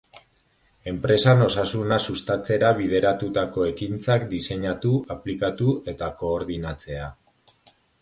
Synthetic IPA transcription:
e̞mpɾe̞sano̞sasunasust̪at͡se̞ɾaβ̞ið̞e̞ɾat̪ut̪ako̞e̞kint͡sakd̪ise̞ɲat̪uaplikat̪ue̞t̪ako̞ːɾðinat͡se̞a

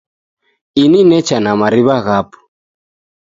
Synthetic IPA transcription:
ininɛt͡ʃanamaɾiβaɣapu̥

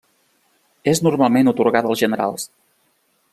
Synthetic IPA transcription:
eznurmalˠmenut̪uɾɣat̪əlˠzʒənəɾa̰lˠs

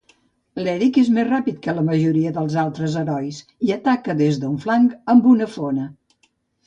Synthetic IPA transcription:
lɛɾikezmezrapit̪̚kələməʒuɾiəðəlˠzalˠt̪ɾəzəɾɔjs | iət̪akəðezðəuɱflaŋɡəmbunəfonə

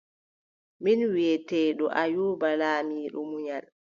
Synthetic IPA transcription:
minwɛtɛːɗɔʔajuːbalaːmiːɗṵmuɲal

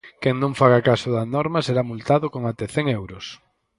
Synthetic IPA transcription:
kɛŋnõɱfaɣ̞akasʊðɐnɔɾmɐseɾamult̪aðʊkoŋat̪eθɛŋewɾʊs

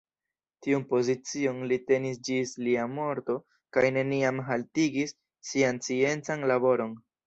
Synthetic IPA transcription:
tiunpo̞zit͡sio̞nlite̞nis̬d͡ʒisliamo̞ɾto̞ | kajne̞niamɦaltiɡisː | iant͡sie̞nt͡sanlabo̞ɾo̞n

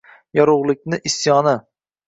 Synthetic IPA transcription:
jɒɾʊʁlˠɪk̚ʲnɪʔɪsjɒnɪ

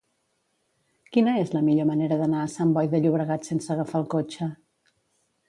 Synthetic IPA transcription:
kinəezləmiʎoməneɾəðənaəsambɔjðəʎuβ̞ɾəɣat̪sensəːɣəfalˠkot͡ʃə

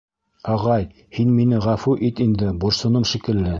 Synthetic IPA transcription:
ɑʁɑj | hinminɘʁæfuʔit̪ind̪ɘbuɾsɤ̆nɤmʃikɘ̆lːɘ

